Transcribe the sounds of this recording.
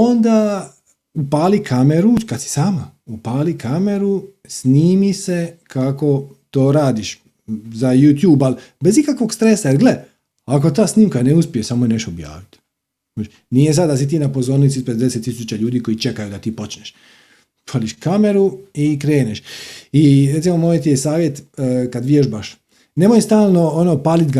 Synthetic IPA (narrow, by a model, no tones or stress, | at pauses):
ond̪a | upaːlikʰameɾukad̪si̥saːmaupaːlikʰame̞ɾu | sniːmise̞kʰako̞ | t̪o̞ːɾaːd̪iʃ | zajuːt̪juːbalbe̞zikakʋo̞ɡ̥st̪ɾe̞sajeɾɡle | ak̬o̞t̪̬aːsniːmkaneuspiesamojeneʃt̪oːbja̰ːʋit̪ | ot͡ʃ | nijes̬ad̪d̪ːas̬it̪̬iːnapo̞zo̞ɾnit̪ispɾed̪eset̪ːisuːt͡ɕaʎuːd̪iːko̞jit͡ʃe̞kajud̪at̪iːpo̞t͡ʃneʃ | pʰaliʃkame̞ɾuikɾe̞ːneʃiɾet̪simomojet̪ije̞saːʋjet̪kad̪ʋijeʃbaʃ | nemojst̪aːlˠno̞onopaːlit̪ɡa